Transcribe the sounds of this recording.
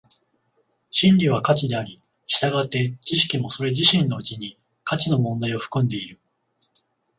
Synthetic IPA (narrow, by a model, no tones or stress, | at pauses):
ɕĩnɾʲiβ̞akat͡ɕid̪e̞aɾʲi | ɕi̥t̪aɡat̪ːe̞t͡ɕiɕi̥kʲimo̞so̞ɾe̞ʑiɕĩnːo̞ɯ̟t͡ɕiɲ̟i | kat͡ɕino̞mõ̞nd̪aio̞ɸɯ̟̥kɯ̟̃nd̪e̞iɾɯ̟